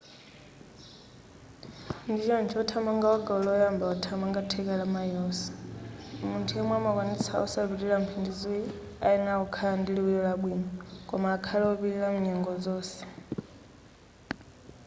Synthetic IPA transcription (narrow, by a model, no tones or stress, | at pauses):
ndit͡ʃɔnt͡ʃʰiɔtʰamaŋɡaaɡaɔlɔɔjambaɔtʰamaŋɡatʰɛkalamajɔːsɛ̥ | muntʰujɛmwɛamakwanisa̰ɔsaβiɾilam̩pʰindizui | ainaɔkʰaandiliwijɔlaɓwinɔkɔmaːkʰalaɔβiɾilamuɲɛŋɡɔd͡zɔːsɛ̥